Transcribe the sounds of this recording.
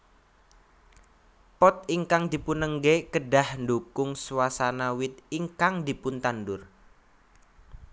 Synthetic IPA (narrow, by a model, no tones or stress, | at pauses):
pɔt̪̚iŋkaŋd̪̥i̤punəŋɡekəɖa̤hndukʊŋswasanawɪt̪̚iŋkaŋd̪i̤pʊnt̪andʊr